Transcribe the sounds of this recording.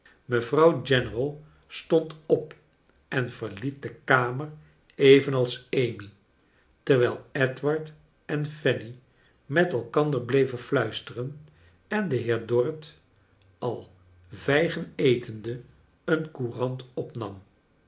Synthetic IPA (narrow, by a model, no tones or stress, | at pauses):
məvrɑwd͡ʒɛnərəlˠ | stɔntɔp | ʔɛnv̥əɹlit̚dəkaːmər | ejvənɑlˠsejmi | təɹʋɛjlˠɛtʋɑɹt | ɛnfɛni | mɛtɛlˠkɑndəɹblejvənflœɥstərən | ɛndəɦɪːɹdɔɹət | ʔɑlˠ | vɛjχənejtʰəndə | ənkurɑntɔpnɑ̰m